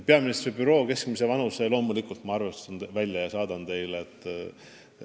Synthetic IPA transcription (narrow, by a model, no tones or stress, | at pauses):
pe̞ɑminist̪ribyɾo̞ːke̞skmise̞vɑnuse̞lo̞ːmulikult̪mɑɑrve̞st̪ɑnvælʲjɑjɑsɑːd̪̥ɑnt̪e̞jleet̪ːˑ